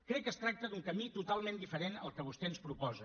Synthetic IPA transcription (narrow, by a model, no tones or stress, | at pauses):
kɾɛkːəst̪ɾak̚t̪əd̪uŋkəmit̪ut̪alˠmend̪ifəɾenəlˠkəβ̞ust̪ɛənspɾupɔzə